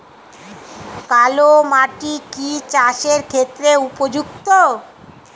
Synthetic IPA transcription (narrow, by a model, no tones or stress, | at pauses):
kalomaʈikit͡ɕaʃeɾkʰet̪ːɾeupod͡ʑukt̪o